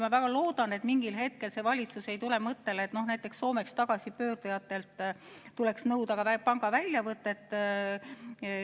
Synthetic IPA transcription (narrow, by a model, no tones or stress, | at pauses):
mɑvæɡ̥ɑlo̞ːd̪̥ɑne̞t̪miŋɡ̥ilɦe̞t̪̚ke̞lse̞vɑlʲit̪suse̞jt̪ule̞mɤt̪ːe̞let̪no̞hnæjt̪ːˑe̞ksːo̞ːme̞kst̪ɑɡ̥ɑsipø̞ːrd̪̥ujɑt̪ːˑe̞lt̪ˑːule̞ksnɤwd̪ɑɡ̥ɑvæpɑŋɡ̥ɑvælʲjɑvɤt̪ːˑet̪ːˑ